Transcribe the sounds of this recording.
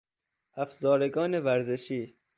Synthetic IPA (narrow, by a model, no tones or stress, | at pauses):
æfzɒːɾeɡɒːnevæɾzeʃiː